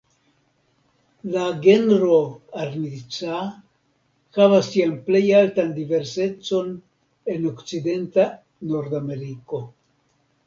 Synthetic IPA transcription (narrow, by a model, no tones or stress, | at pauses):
laɡe̞nɾoaɾnit͡sa | xavasːianple̞jaltandive̞ɾse̞t͡so̞n | e̞nokt͡side̞nta | no̞ɾdame̞ɾiko̞